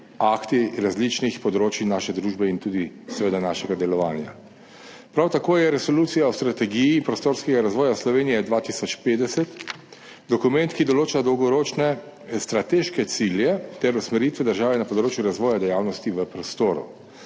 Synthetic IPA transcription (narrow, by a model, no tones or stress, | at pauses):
akt̪iɾazlit͡ʃnixpɔd̪ɾoːt͡ʃinaːʃɛd̪ɾuːʒbɛint̪uːd̪isɛʋeːd̪anaːʃɛɡad̪ɛlɔʋaːnja̰ | pɾawt̪akoːjɛɾɛsɔluːt̪sijaɔst̪ɾat̪ɛɡijipɾɔst̪oːɾskɛɡaɾazʋɔːjaslɔʋeːnijɛd̪ʋaːt̪isɔt͡ʃpeːd̪ɛsɛt̪ | d̪ɔkumɛnt̪kid̪ɔloːt͡ʃad̪ɔwɡɔɾoːt͡ʃnɛ | st̪ɾat̪eʃkɛt̪siljɛt̪ɛɾusmɛɾiːt̪ʋɛd̪əɾʒaːʋɛnɐpɔd̪ɾoːt͡ʃjuɾazʋɔːjad̪ɛjawnɔst̪iʋəpɾɔst̪oːɾṵ